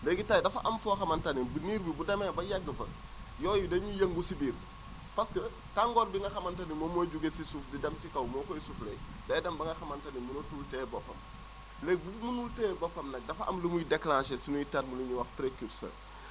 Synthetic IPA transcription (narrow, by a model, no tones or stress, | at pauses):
lɛɡitaːjdɐfɐʔɐmfuxɐmɐntɐninbuniːɾbibudɐmɛbɐjɐɡːəfɐ̰ | jɔːjudɐɲijɐŋɡusibiːr | pɐskɐ | taŋɡɔːɾbiŋɡɐxɐmɐntanimːɔmoɟuɡesisufdidɐmsikɐwmɔːkɔjisuflɛj | dɐjdɐmbɐŋɡɐxɐmɐntanimunotultɛbɔfɐ̰m | lɛbufmunultɛːbɔfɐmnɐk̚dɐfɐʔɐ̰mləmujideklãːʃɛsinujitatmuluɲuwɐxpɾekuɾsə̰ːɾ